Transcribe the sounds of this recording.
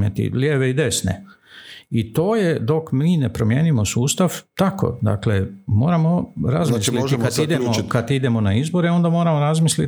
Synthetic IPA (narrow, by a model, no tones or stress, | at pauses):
et̪ḭljeːʋeid̪e̞snḛ | it̪o̞ːjed̪o̞kmiːnepɾomje̞ːnimosuːst̪aʋt̪ako̰d̪a̰kle̞mo̰ːɾamoɾazmislikad̪id̪emokad̪id̪e̞mo̞naizbo̞ɾeo̞nd̪amoːɾamoɾazmisli